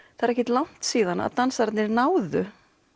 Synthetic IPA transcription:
θaɛɾɛhcɪt̪lawn̥t̪siːðana̰ðt̪ansaɾt̪nɪɾnaːwðʏ

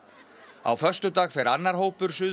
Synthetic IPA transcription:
a̰wfœr̥st̪ʏt̪aːɣfɛɾanːaɾ̥ɦowpʏɾ̥sʏ

